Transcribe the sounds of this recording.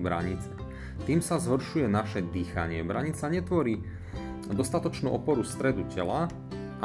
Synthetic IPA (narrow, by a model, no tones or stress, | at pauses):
bɾa̰ɲit͡s | t̪iːmsazɦɔr̩ʃujɛnaʃɛd̪iːxa̰ɲɪɛbɾaɲit͡saɲɛt̪ʋɔɾiː | d̪ɔst̪at̪ɔt͡ʃnṵːʔɔpɔɾust̪ɾɛd̪ucɛla